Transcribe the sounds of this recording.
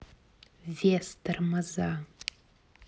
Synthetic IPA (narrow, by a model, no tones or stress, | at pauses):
vestɨrmaza